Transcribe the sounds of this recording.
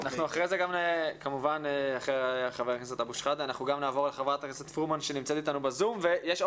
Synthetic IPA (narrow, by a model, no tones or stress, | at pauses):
anaχnuaχʁezeɡamnekamuvaneaχeχaveʁkeset̪abuʃχad̪eanaχnuɡamnaːvo̞ʁleχavʁat̪akeset̪fʁumanʃenimt͡set̪it̪anubezumvejeʃ